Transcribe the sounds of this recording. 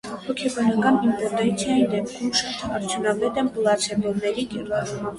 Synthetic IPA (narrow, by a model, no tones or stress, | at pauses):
hɔkʰɛbɑnɑkɑnint̪ɛɾt̪ɛt͡sʰjɑjid̪ɛp̚kʰumʃɑt̪ʰɑɾt̪ʰjunɑvɛt̪ɛnblɑt͡sʰɛvɔnːɛɾikɛɾɑɾumɑm